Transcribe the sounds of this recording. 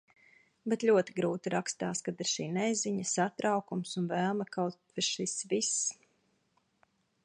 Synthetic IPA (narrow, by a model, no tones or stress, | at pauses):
bɛt̪ʎʲuɔt̪iɡɾuːt̪iɾakst̪aːskad̪iɾʃiːnɛziɲəsat̪ɾawkumsunvæːlˠmɐkawt̪viʃisvis